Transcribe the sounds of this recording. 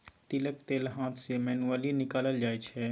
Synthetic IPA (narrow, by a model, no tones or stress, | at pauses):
t̪ilək̚t̪eːlɦãːt̪ʰsemɛnualinɪkaːləld͡ʒaːɛt͡ʃʰɛ